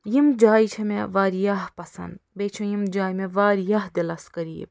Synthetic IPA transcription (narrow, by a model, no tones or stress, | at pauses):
jimd͡ʒaːjt͡ʃʰɐmeʋaːɾijaɦpɐsɐ̰nd̪beːt͡ʃʰõjimd͡ʒaːjmẽʋaːɾijaɦd̪elɐskɐɾḭːb